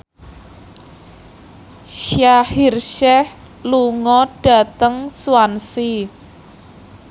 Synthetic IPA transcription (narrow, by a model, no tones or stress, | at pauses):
ʃjahirʃɛh | luŋɔɖ̥a̤t̪əŋsuwansi